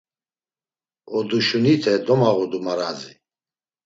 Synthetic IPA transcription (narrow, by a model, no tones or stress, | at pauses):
ɔd̪uʃunit̪ʰɛd̪ɔmaʁɔd̪umaɾazi